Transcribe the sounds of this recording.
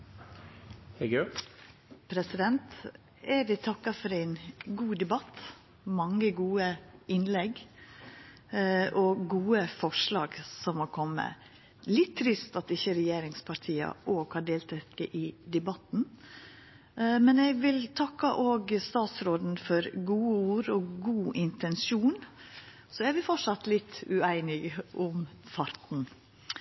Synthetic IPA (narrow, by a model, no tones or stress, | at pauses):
hɛɡʉ | pʰɾɛsɪd̪ɛnt̪ | eːʋɪt̪ʰɑkːɑfɔɾæɪnɡuːd̪ɛbɑt̪ | mɑŋːəɡuːəɪnlɛɡ | ʔɔɡuːəfɔʂɭɑːɡsɔmhɔkʰɔmːə̰ | lɪt̪ʰːɾɪst̪ɑt̪ɪçəɾɛjeːɾɪŋspʰɑʈʰiːɑ̰ʔoːɡhɑɖeːlt̪ʰɛkːəʔɪd̪ɛbɑt̪n̩ | mɛnɛɡʋɪlt̪ʰɑkːɑʔoːɡst̪ɑːt̪sɾoːd̪n̩fɔɾɡuːəuːɾɔɡuːʔɪnt̪ʰɛnsuːn | sɔæɾʋɪfɔʂɑt̪lɪt̪ːʉæɪnɪɡʔʊmfɑɾt̪n̩